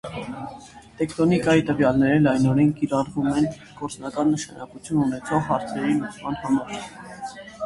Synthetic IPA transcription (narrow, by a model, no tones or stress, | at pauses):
t̪ɛkʰt̪ɔnikɑjit̪əvjɑlnɛɾɛlɑjnɔɾɛnkiɾɑɾvumɛn | ɡ̥ɔɾt͡snɑkɑnːəʃɑ̰nʔɑkut͡sʰjununɛt͡sʰɔʁɦɑɾt͡sʰɛɾinut͡sʰmɑnhɑmɑɾ